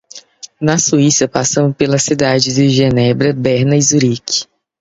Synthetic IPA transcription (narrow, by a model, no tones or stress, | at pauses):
nɐsuisɐpasɐ̃mʊpelɐsid̪ad͡ʒɪzd̪ɪʒenɛbɾɐbɛɾnɐizuɾiki̥